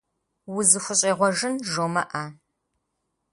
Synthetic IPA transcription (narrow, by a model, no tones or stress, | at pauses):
wʊzɨxʷʊɕʼeːʁʷɔʒɨnʒoːmɐʔaː